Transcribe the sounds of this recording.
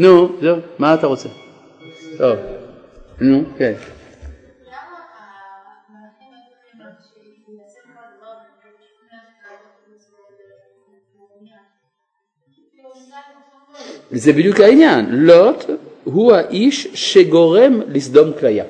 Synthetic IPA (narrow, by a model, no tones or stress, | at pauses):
nɔ̃zomat̪aʁose | o | nɔ̃ke | zɛbid̪ykaiɲanlɔt̪ɦuaʔiʃʃeɡɔʁɛmlisd̪ɔmuklaja̰